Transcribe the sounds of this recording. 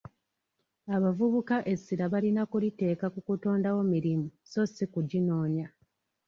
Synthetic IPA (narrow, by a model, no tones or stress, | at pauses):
aβavuβukaʔe̞sːiɾaβalinakulite̞ːkakukuto̞ːndawo̞miɾimuso̞sikuɟino̞ːɲa